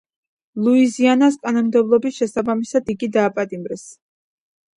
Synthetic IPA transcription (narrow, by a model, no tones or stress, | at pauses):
lˠuizianaskʼanɔmd̪ɛblˠɔbisʃɛsabamisad̪̥iɡid̪aːpʼat̪ʼimɾɛs